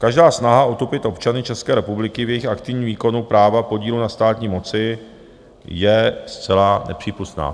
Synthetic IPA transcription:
kaʒdaːsnaɦaot̪opɪt̪ʔo̞pt͡ʃanɪt͡ʃɛskɛːɾɛpublɪkɪvjɛjɪxakt̪ɪvɲiːviːko̞nupɾaːvapo̞ɟiːlunast̪aːt̪ɲiːmo̞t͡sɪ | jɛst͡sɛlanɛ̰pr̝̥iːpust̪na̰ː

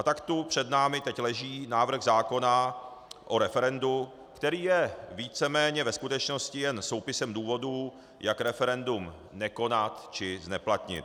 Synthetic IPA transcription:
ʔat̪akt̪upr̝̥ɛdnaːmɪt̪ɛclɛʒiːnaːvr̩ɣzaːko̞na | ʔo̞ɾɛfɛɾɛndu | kt̪ɛɾiːjɛviːt͡sɛmɛːɲɛvɛskut̪ɛt͡ʃno̞scɪjɛnso̞wpɪsɛmduːvo̞du | jakɾɛfɛɾɛndum | nɛko̞nat̪t͡ʃɪznɛplat̪ɲɪ̰t̪̚

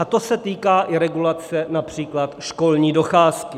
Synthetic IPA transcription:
at̪o̞sɛt̪iːkaːʔɪɾɛɡulat͡sɛnapr̝̥iːklat̪ʃko̞lɲiːdo̞xaːskɪ

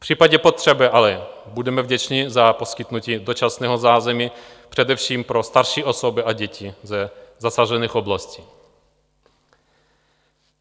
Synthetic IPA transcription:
pr̥iːpaɟɛpot̪r̝̥ɛbɪʔalɛ | budɛmɛvɟɛt͡ʃɲɪzapo̞skɪt̪nuciːd̪ot͡ʃasnɛːɦozaːzɛmi | pr̝̥ɛdɛfʃiːmpɾo̞st̪aɾʃiːʔo̞sobɪʔaɟɛcizɛzasaʒɛniːxoblasci̥ː

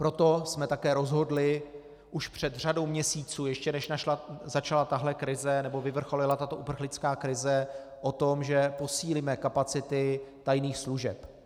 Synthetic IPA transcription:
pɾo̞t̪o̞smɛt̪akɛːɾo̞zɦo̞dlɪ | ʔuʃpr̝̥ɛd̪r̝ado̞wmɲɛsiːt͡suːjɛʃcɛnɛʃnaʃlazat͡ʃalat̪aɦlɛkɾɪzɛnɛbo̞vɪvr̩xo̞lɪlat̪at̪o̞ʔupr̩xlɪt͡skaːkɾɪzɛ | ʔot̪o̞mʒɛpo̞siːlimɛkapat͡sɪt̪ɪt̪ajniːxsluʒɛ̰p

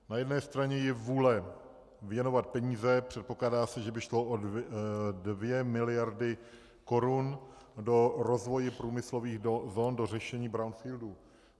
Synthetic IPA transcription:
najɛdnɛːst̪ɾaɲɛjɛvuːlɛ | vjɛno̞vat̪̚pɛɲiːzɛpr̥ɛt̪̚poklaːdaːsɛʒɛbɪʃlo̞ʔo | dvjɛmɪlɪjaɾdɪ | ko̞ɾun | do̞ɾo̞zvo̞jɪpɾuːmɪslo̞viːxzoːndo̞r̝ɛʃɛɲiːbɾawnfiːldu

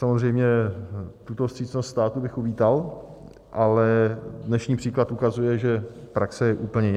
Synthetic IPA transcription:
samozrɛjmɲɛ | t̪ut̪ofst̪r̥iːt͡snost̪st̪aːt̪ubɪxuviːt̪al | ʔalɛdnɛʃɲiːpr̥iːklat̪ʔukazujɛʒɛpɾaksɛjɛʔuːpl̩ɲɛ

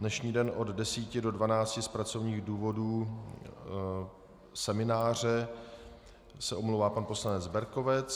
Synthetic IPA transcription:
dnɛʃɲiːdɛnʔoddɛsiːcɪdo̞dvanaːt͡scɪspɾat͡so̞vɲiːɣduːvo̞duː | sɛmɪnaːr̝ɛ | sɛʔomlowvaːpanpo̞slanɛd͡zbɛɾko̞vɛt͡s

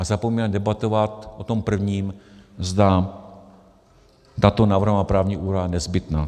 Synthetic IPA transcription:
ʔazapomɲnadɛbat̪o̞vat̪ʔot̪o̞mpr̩vɲiːmzd̪a | t̪at̪o̞naːvɾr̩ɦmapɾaːvɲiʔuːɾajanɛzbɪt̪naː

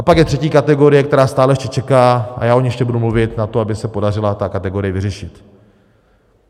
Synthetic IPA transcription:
ʔapakjɛt̪r̝̥ɛciːkat̪ɛɡo̞ɾɪjɛkt̪ɛɾaːst̪aːlɛjɛʃcɛt͡ʃɛkaːʔa̰jaːʔoɲɛʃcɛbudumluvɪt̪nat̪oabɪsɛpo̞darɪlat̪akat̪ɛɡo̞ɾɪjɛvɪrɛʃɪt̪

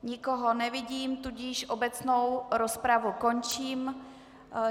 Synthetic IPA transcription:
ɲɪkoɦonɛvɪɟiːmt̪uɟɪʃʔobɛt͡snowɾospɾavukont͡ʃiːm

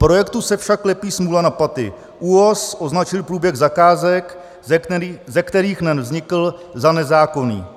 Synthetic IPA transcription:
pɾo̞jɛkt̪usɛfʃakːlɛpiːsmuːlanapat̪ɪ̰ | ʔuosʔo̞znat͡ʃɪlpɾuːbjɛɣzakaːzɛkː | zɛkt̪ɛɾiːxnɛnvzɲɪkl̩zanɛzaːko̞nḭː

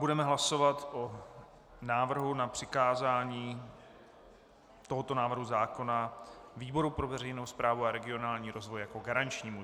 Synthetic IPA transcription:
budɛmɛɦlasovat̪ʔo | naːvr̩ɦunapr̝̥ɪkaːzaːɲiː | t̪o̞ɦot̪o̞naːvr̩ɦuzaːko̞naviːbo̞ɾupɾovɛr̝ɛjnowspɾaːvuaɾɛɡɪo̞naːlɲiːɾo̞zvo̞jjakoɡaɾant͡ʃɲiːmu

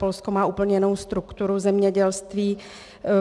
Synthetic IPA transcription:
polskomaːʔuːpl̩ɲɛnowst̪ɾukt̪uɾuzɛmɲɛɟɛlst̪viː

